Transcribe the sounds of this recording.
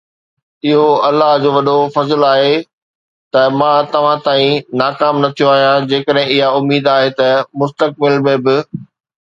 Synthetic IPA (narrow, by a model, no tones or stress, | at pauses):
ɪɦoɐlːaɦd͡ʑoːʋɐɗofɐzlaːɦe | t̪ɐmãt̪ɐʋ̤ãt̪aːĩnaːkaːmnɐt̪ʰijoaːɦijad͡ʑeːkəɗɦɪ̃ɪɦaʊmiːd̪aːɦet̪ɐmʊst̪ək̚bɪlmẽbɪ